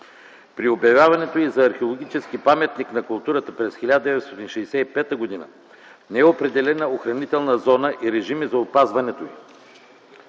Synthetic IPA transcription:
pɾiobjɐvʲjavɐnɛt̪oizɐːɾxeolˠoɡʲit͡ʃɛsk̟ipamɛt̪niknɐkʊlˠt̪uɾət̪əpɾɛsxilʲad̪əd̪ɛvɛt̪st̪ɔt̪inʃɛsɛipɛt̪əɡod̪inə̰ | nɛɛopɾɛd̪ɛlɛnəoxɾɐnit̪ɛlˠnɐzɔnəʔiɾɛʒimizɐopazvɐnɛt̪oi

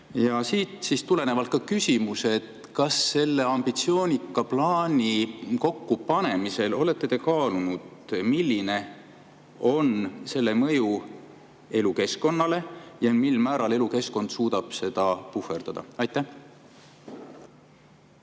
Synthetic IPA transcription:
jɑsiːt̪sist̪ule̞ne̞vɑlt̪̚kɑkysʲimuset̪ | kɑsːe̞lːe̞ɑmb̥it̪sio̞ːnʲikːˑɑplɑːnʲiko̞kːupɑne̞mise̞lo̞le̞t̪ːet̪e̞kɑːlunud̪̥milːine̞ | o̞nse̞lːe̞mɤ̞ju | e̞luke̞sko̞nːɑle̞jɑmilmæːɾɑle̞luke̞sko̞nd̪̥suːd̪̥ɑb̥se̞d̪̥ɑpufe̞rd̪̥ɑd̪̥ɑ̰ɑjt̪ːˑæh

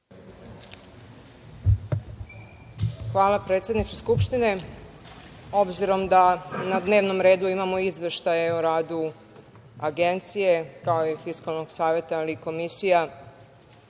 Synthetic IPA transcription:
xʋaːlapɾet̪sjed̪nit͡ʃeskupʃt̪ine̞ | o̞bziɾo̞md̪anad̪ne̞ːʋno̞mɾe̞ːd̪uimamo̞izʋe̞ʃt̪ajeoɾaːd̪u | aɡe̞nt̪sije̞kaoifiskalno̞ɡ̥saːʋe̞t̪aːliːko̞misija

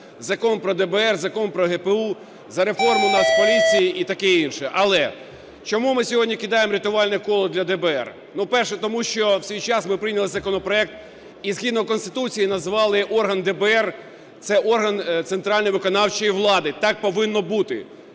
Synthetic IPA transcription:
zɐkɔnpɾɔd̪ɛbɛɛrzɐkɔnpɾɔɦɛpeu | zɐɾefɔrmʊnɑspɔlʲit͡sʲijiʔit̪ɐkɛinʃɛʔɐlˠɛ | t͡ʃɔmumɪsʲɔɦɔdʲnʲikid̪ɑjemɾʲit̪ʊʋɑlʲnɛkɔlˠɔd̪lʲɐd̪ɛbɛɛ̰r | nupɛrʃɛt̪ɔmuʃt͡ʃɔwsʲijt͡ʃɑsmɪpɾɪjnʲɐlˠɪzɐkɔnɔpɾɔɛk̚t̪ | iz̥xʲid̪nɔkɔnst̪ɪ̥t̪ut͡sʲijinɐzʋɑlˠɪʔɔrɦɐnd̪ɛbɛɛr | t̪sɛʔɔrɦɐnt̪sent̪ɾɑlʲnɔjʋɪkɔnɑwt͡ʃɔjiʋlˠɑd̪ɪt̪ɑk̚pɔʋɪnːɔbut̪ɪ̰

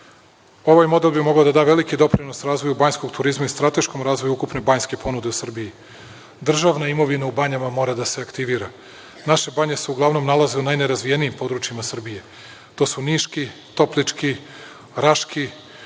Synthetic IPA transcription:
o̞ʋajmo̞d̪e̞lˠbimo̞ɡaod̪ad̪aːʋe̞likid̪o̞pɾino̞sɾaːzvʋo̞jubaɲsko̞ɡt̪uɾizmaist̪ɾat̪e̞ʃkomɾaːzʋo̞juukupne̞baɲske̞po̞nud̪e̞usr̩biji | d̪r̩ʒaʋnaimo̞ʋinaubaɲamamo̞ːɾad̪ase̞akt̪iʋiːɾa | naʃe̞baɲe̞seuɡlˠaʋno̞mnalˠazeunajne̞ɾazʋijenijimpo̞d̪ɾut͡ʃiimasr̩bije̞ | t̪osuniʃkit̪o̞plit͡ʃki | ɾaʃki

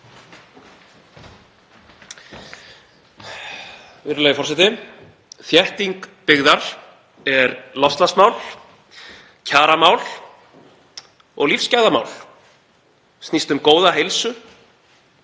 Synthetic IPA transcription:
vɪɾɪlajɪfɔɾ̥sɛt̪ɪ | θjɛht̪iŋkpɪɣðaɾ̥ | ɛɾlɔfst̪lasmaːwl̥ | cʰaːɾamaːwl | ɔ̰ɣlifscajðama̰ːwl | st̪nist̪ʏmkoːwðaɦejlsʏ

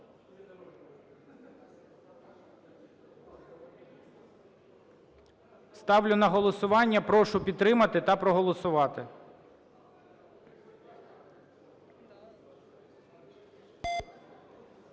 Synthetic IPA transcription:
st̪ɑwlʲʊnɐɦɔlˠɔsʊʋɑnʲːɐpɾɔʃʊpʲid̪t̪ːɾɪmɐt̪ɪt̪ɐpɾɔɦɔlˠɔsʊʋɑt̪ɪ

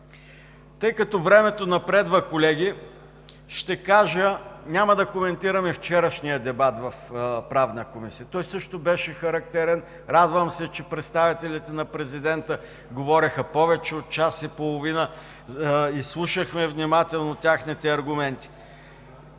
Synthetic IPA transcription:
t̪ɤjkɐt̪ɔvɾɛmɛt̪onɐpɾɛd̪vəkolɛɡ̟i | ʃt̪ɛkaʒənʲaməd̪ɐkomɛnt̪iɾəmɛft͡ʃɛɾəʃnijəd̪ɛbat̪vɐfpɾavnəkomisiət̪ɔjsɤʃt̪obɛʃɛxɐɾɐk̚t̪ɛɾɛn | ɾad̪vəmsɛt͡ʃɛpɾɛt̪st̪avit̪ɛlit̪ɛnɐpɾɛzid̪ɛnt̪ə | ɡovɔɾixəpɔvɛt͡ʃɛot̪̚t͡ʃasipolˠoʊvinə | islˠuʃəxmɛvnimat̪ɛlˠnot̪ʲjaxnit̪ɛɐɾɡʊmɛnt̪i̥

